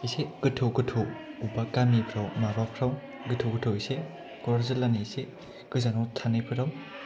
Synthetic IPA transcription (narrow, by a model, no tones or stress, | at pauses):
iseɡ̥ɯtʰɯɡɯtʰɯwubakamipʰɾawmaɾapʰɾaw | ɡɯtʰɯwɡɯtʰɯwise | kɔɾɾzɯlanise | ɡ̥ɯzanɔwtʰanɯpʰɯɾaw